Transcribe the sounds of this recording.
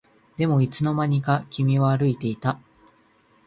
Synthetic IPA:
d̪̥e̞mo̞it͡sɨno̞maɲ̟ikakʲimʲiβaːɾɯ̟it̪e̞it̪a

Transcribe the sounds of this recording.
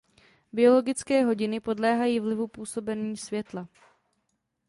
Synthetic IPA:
bɪo̞lo̞ɡɪt͡skɛːɦo̞ɟɪnɪpo̞dlɛːɦajiːvlɪvupuːso̞bɛniːsvjɛt̪la

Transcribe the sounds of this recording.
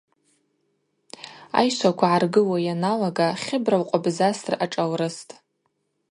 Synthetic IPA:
a̰jʃʷakʷʰaʕarɡɨwajanalaɡaχʲɪbrawqʷʼabzasraʈ͡ʂʼawrɨstʼ

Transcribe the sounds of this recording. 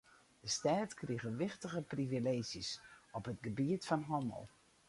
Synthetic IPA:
d̥əstaːtkriɣəʋɪxtəɣəprivileːzjəsɔpətɡəbiətfɔnɦɔmə̰lˠ

